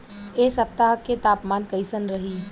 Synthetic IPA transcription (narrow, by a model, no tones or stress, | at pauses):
eːsɐp̚t̪aɦəkːet̪aːpmaːnkəɪsənɾɐɦiː